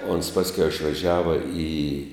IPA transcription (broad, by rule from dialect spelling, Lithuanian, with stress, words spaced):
oːns ˈpɑːsʲkʲɛʊ ɪʃʋɐˈʒʲæːʋɐ iː